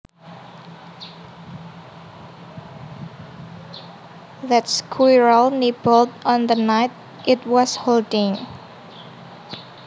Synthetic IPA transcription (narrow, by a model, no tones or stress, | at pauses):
ðæt̚skʰwiɹəlnebəltɔ̃nðənaɪt̪̚ | ʔɪt̚wɔsholdɪ̃ŋ